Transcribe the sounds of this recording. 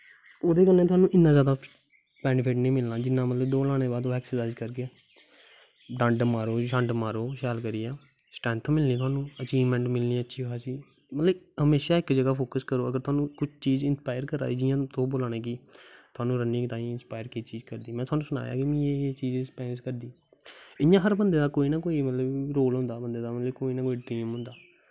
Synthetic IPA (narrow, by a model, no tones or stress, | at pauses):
oːd̪eːkəlnẽːt̪ʊaːnũːʔɪnːãːzjaːd̪aː | pɛːnɪpʰɪʈnĩːmɪlnãːd͡ʒɪnːãːmət̪ləbd̪oːlaːɽ̃ẽːbaːd̪ːɛːksəsaːd͡ʒkəɾɡɪɛː | ɖãːɳɖəmaːɾoːʃãːɳɖəmaːɾoːʃɛːlkəɾiːɛː | sʈɾɛ̃ːnt̪ʰõːmɪlnĩːt̪ʊaːnũːət͡ʃiːʋmɛ̃ːɳʈmɪlniːətːʃʰiːkaːsiː | mət̪ləbɦəmeːʃaːɪkd͡ʒəɡaːpʰoːkəskəɾoːəɡəɾt̪ʰʊaːnũːkʊt͡ʃʰt͡ʃiːzɪnspaːɪəɾkəɾa̰ːiːd͡ʒɪjãːt̪õːboːlaːnẽːk̬it̪ʰʊaːnũːɾənːĩːt̪aːĩːɪnspaːjəɾkit͡ʃiːd͡ʒkəɾd̪iːmɛ̃ːt̪ʊaːnũːsʊna̰ːja̰ːkimĩet͡ʃiːd͡ʒspɛːnɪskəɾd̪iː | ɪãːɦəɾbənd̪eːd̪aːkoːiːnaːkoːiːmət̪ləbɾoːlɦʊ̃nd̪aːbənd̪eːd̪aːmət̪ləbkoːiːnaːkoːiːɖɾiːmɦʊ̃nd̪aː